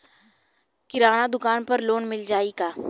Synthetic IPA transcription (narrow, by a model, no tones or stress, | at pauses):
kɪɾaːnad̪ʊkaːnpɐɾloːnmɪld͡ʒaːiɡaː